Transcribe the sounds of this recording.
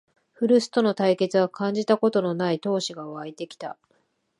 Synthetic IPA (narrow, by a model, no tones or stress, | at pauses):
ɸɯ̟ɾɯ̟sɨ̥t̪o̞no̞t̪aike̞t͡sɨβakʰãɲ̟d͡ʑit̪ako̞t̪o̞no̞nait̪o̞ːɕiɡaoβait̪e̞kʲi̥t̪a